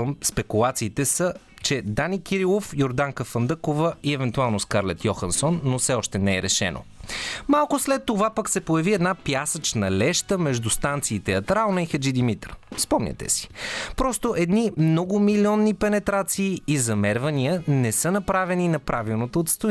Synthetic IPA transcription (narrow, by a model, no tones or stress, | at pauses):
mspɛkulˠat̪siːt̪ɛsə | t͡ʃɛd̪anikiɾilˠofjoɾd̪aŋkəfənd̪əkovəiɛvɛnt̪ualˠnoskaɾlɛt̪jɔxɐnsonːofsɛɔʃt̪ɛnɛɛɾɛʃɛ̰no̰malˠkʊslɛt̪ːovapəksɛpojɐviɛd̪napjasət͡ʃnɐlɛʃt̪əmɛʒd̪ust̪ant̪siːt̪ɛɐt̪ɾalˠnɐixɐd͡ʒid̪imit̪ɾspɔmnʲɲʲʔə̰t̪ɛ̰si̥pɾɔst̪oʔɛd̪nimnɔɡʊmilʲiɔnːipɛnɛt̪ɾat̪siːizɐmɛɾvɐnijənɛsɤnɐpɾavɛninɐpɾʔavilˠnot̪oot̪st̪o